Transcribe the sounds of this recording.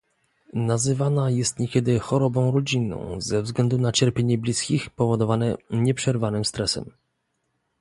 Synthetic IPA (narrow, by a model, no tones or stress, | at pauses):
nazɘvanajɛst̪ɲɛkʲɛd̪ɘxɔɾɔbɔ̃w̃ɾɔd͡ʑinːɔ̰̃w̃zɛvzɡlɛnd̪unat͡ɕɛɾpʲjeɲɛblʲiskʲixpɔvɔd̪ɔvanɛɲɛpʂɛɾvanɘmst̪ɾɛsɛ̰m